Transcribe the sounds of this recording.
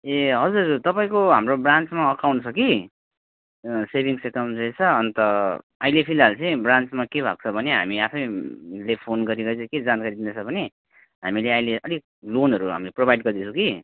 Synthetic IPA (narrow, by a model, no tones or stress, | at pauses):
eɦʌd͡zuɾt̪ʌpaĩkoɦamrobrant͡smaʌkawnt͡sʰʌki | sebʱiŋsekʌmnʌjt͡sʰʌʌnt̪ʌ | ajlepʰilalt͡sʌĩbrant͡smakebʱa̰k̚t͡sʰʌbʱʌneɦa̰miapʰʌjlepʰonɡʌɾiɡʌjt͡sʰʌked͡zankaɾid̪inʌt͡sʰʌbʱʌne | ɦamileajleʔʌd̪ik̚ | lonɦʌɾuɦa̰mileprobʱajɖɡʌrd̪it͡sʰũki